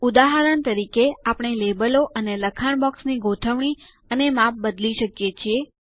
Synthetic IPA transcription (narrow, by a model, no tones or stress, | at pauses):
ud̪aɦəɾəɳt̪əɾikeapɳ̃elebəloʔəneləkʰaɳ̃bɔksniɡot̪ʰəʋɳ̃i | ənemap̚bəd̪liʃəkjet͡ʃʰie